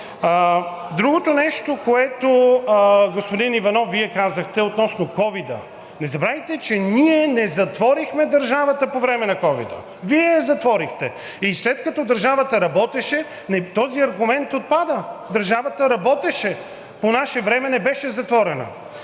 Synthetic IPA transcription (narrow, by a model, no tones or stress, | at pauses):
d̪ɾuɡot̪onɛʃt̪okoɛt̪o | ɡospʊd̪inivɐnɔfvːiɛkazəxt̪ɛot̪nɔsnokɔvid̪ə̰ | nɛzɐbɾavɛt̪ɛt͡ʃɛniɛnɛzɐt̪vɔɾixmɛd̪ɐɾʒavɐt̪əpovɾɛmɛnɐkɔvḭd̪ə̰ | viɛzɐt̪vɔɾixt̪ɛ | islɛt̪kɐt̪ɔd̪ɐɾʒavət̪əɾɐbɔt̪ɛʃɛ | nɛt̪ɔziɐɾɡʊmɛnt̪ot̪̚pad̪əd̪ɐɾʒavət̪əɾɐbɔt̪ɛʃɛ | ponaʃɛvɾɛmɛnɛbɛʃɛzɐt̪vɔɾɛnə̰